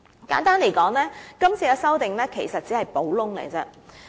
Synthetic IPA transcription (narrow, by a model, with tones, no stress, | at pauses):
ka̰ː˨˥nt̪aː˥nle˨˩jkɔː˨˥ŋlɛː˥kɐ˥mt͡sʰiː˧kaː˧sɐ˥wt̪ɪ˨ŋlɛː˥kʰe˨˩jsɐ˨t̚t͡siː˨˥hɐ˨jpo˨˥wlʊ˥ŋlḛ˨˩t͡sɛː˧